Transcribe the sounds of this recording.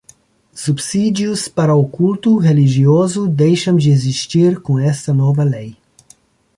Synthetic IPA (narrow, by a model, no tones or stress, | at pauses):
supsid̪juspɐɾɐokult̪uɾɛliʒioːzud̪ɛjʃɐmʒɛziʃt̪iːɾkũɛst̪ɐnɔːvɐlɛj